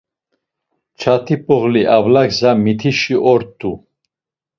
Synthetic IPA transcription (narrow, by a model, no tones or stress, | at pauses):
t͡ʃʰat̪ʰipʼɔʁliʔavlakzamit̪ʰiʃiʔɔɾt̪ʰʼːu